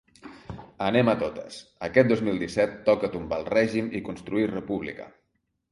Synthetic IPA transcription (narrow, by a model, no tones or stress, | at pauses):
ənɛmət̪ot̪ə̰səkɛt̪̚d̪ozmilˠd̪isɛt̪ːɔkət̪umbalˠrɛʒimikunst̪ɾuirəpuβlḭkə̰